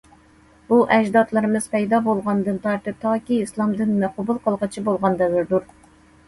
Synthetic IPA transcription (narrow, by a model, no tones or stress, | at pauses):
buʔɛʒd̪ɑt̪lˠɨɾɨmɨz̥pʰɛjd̪ɑbolˠʁɑnd̪ɨnt̪ʰɑɾt̪ɨp̚t̪ʰɑːkʲiːslˠɑmd̪ɨnmɛqʰʊbʊlˠqʰəlˠʁɨt͡ʃʰibolˠʁɑnd̪ɛvɪɾd̪uɾ